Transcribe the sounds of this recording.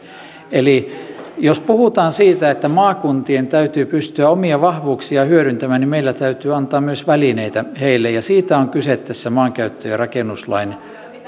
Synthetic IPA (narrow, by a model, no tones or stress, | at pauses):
elijospuhut̪ɑːnsiːt̪æet̪ːæmɑːkunt̪ient̪æyt̪yːpyst̪yæomiɑʋɑhʋuːksiɑhyøɾynt̪æmæːnimeilːæt̪æyt̪yːɑnt̪ɑːmmyøsʋælineit̪æheilːejɑsiːt̪æoŋkyset̪tːæsːæmɑːŋkæyt̪ːøjɑrɑkenːˑuslɑ̰in